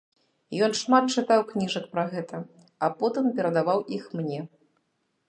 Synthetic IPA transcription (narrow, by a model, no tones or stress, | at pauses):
jɔnʂmat̪̚t͡ʂɨt̪awknʲiʐɐkpɾɐɣɛt̪ɐ | apɔt̪ɨmpʲɛɾɐd̪avawʔixmnʲɛ